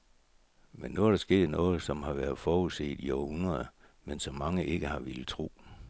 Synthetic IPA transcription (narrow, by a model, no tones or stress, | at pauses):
menːuæɐɾ̥ɑ̈sɡ̥e̝̰ːdˠnɔ̽ːð̞̩ˠsɒ̽mhɑ̈ʋæɐð̩ˠfɒːuðˠse̝̰ːd̥iɒʊhunɐðˠɐ | mensɒ̽mːɑ̈ŋəʔe̝ɡ̥əhɑ̈ʋelət͡sʰʁṵː